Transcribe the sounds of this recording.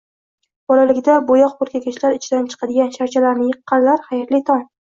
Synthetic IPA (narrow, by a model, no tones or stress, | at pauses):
b̥ɒlalɪkʲd̪abojɒq̚bʊɾkʲakʲaʃlaɾɪt͡ʃʰɪd̪ant͡ʃʰɨ̥qʰɑd̪ɪɡʲanʃaɾt͡ʃʰalaɾnɪjɨqːɑnlaɾχajaɾlɪt̪ʰɒn